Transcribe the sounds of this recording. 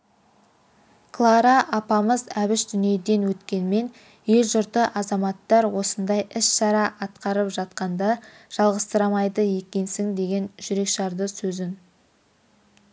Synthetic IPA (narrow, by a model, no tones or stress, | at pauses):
kʰlˠɑɾɑʔɑpɑməzæβɪʃd̪ʏnije̞d̪e̞nwɵt̪kʲe̞nme̞n | je̞lʒʊɾt̪əʔɑzɑmɑt̪ːɑɾwo̞sənd̪ɑjɪsʃɑɾɑʔɑt̪qɑɾəpʒɑt̪qɑnd̪ɑ | ʒ̥ɑlˠʁəst̪əɾɑmɑjd̪əje̞kʲe̞nsɪŋd̪e̞ɡʲe̞nʒʏɾe̞kʃɑɾd̪əsɵzɪn